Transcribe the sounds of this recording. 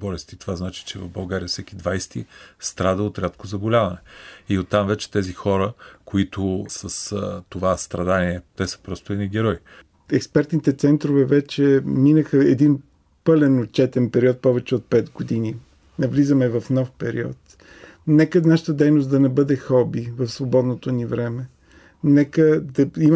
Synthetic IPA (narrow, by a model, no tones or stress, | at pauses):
bɔlɛst̪it̪ovaznat͡ʃi̥t͡ʃɛvɐvbɐlˠɡaɾijəfsɛkid̪vajst̪ist̪ɾad̪əot̪ɾʲat̪kozɐbolʲavɐnɛiot̪ːamvɛt͡ʃɛ̥t̪ɛzixɔɾəkoit̪ʊsəst̪ovast̪ɾɐd̪aniɛt̪ɛsə̥pɾɔst̪ʊɛiɡʲɛɾɔj | ɛkspɛɾt̪nit̪ɛt̪sɛnt̪ɾovɛvɛt͡ʃɛminəxəɛd̪in | pɤlɛnot͡ʃɛt̪ɛnpɛɾiɔt̪̚pɔvɛt͡ʃɛot̪̚pɛt̪ɡod̪ini | nɐvlizəmɛvɐfn̪ɔfpɛɾḭɔ̰t̪ | nɛkənaʃə̥t̪əd̪ɛjnosd̪ɐnɛbɤd̪ɛxɔbivəfsvobɔd̪not̪onivɾɛmɛ | nɛkəd̪ɐim